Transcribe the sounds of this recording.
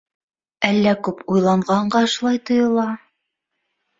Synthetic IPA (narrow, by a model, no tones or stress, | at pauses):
ælːækʉpujlˠɑɴɢɑɴɢɑɤ̆ʃlˠɑjt̪ŏjɤ̆lˠɑ